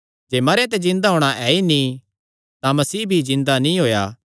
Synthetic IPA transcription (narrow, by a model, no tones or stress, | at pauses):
d͡ʒeːmɐɾet̪̬ɛzɪ̃nd̪aɦoːɽ̃aʔɛːinĩ | t̪ãmɐsiːbʱizɪ̃nd̪anĩɦoːja̰ː